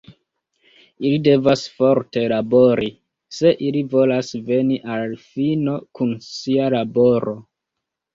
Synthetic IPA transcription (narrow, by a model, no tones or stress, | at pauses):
ilide̞vasfo̞ɾte̞labo̞ɾi | se̞ʔilivo̞lasve̞niʔalfino̞kunsialabo̞ɾo̞